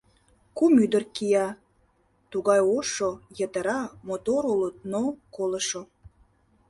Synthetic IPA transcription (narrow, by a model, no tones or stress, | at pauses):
kumyd̪ərkijɑ | t̪uɣɑjoʃojət̪əɾɑmot̪oɾulət̪̚nokoləʃo